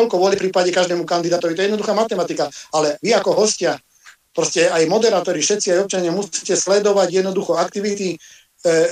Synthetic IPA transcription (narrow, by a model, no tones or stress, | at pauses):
ɔʎkɔʋʊɔlifpɾiːpaɟɛkaʒd̪ɛːmukand̪id̪aːt̪ɔʋit̪ɔɛjɛd̪nɔd̪uxaːmat̪ɛmat̪ikaalɛʋiakɔɦɔscɪa | pɾɔscɛajmɔd̪ɛɾaːt̪ɔɾifʃɛt̪t͡siajɔp̚t͡ʃaɲɪamusi̥cɛslɛd̪ɔʋaɟjɛd̪nɔd̪uxɔakt̪iʋit̪i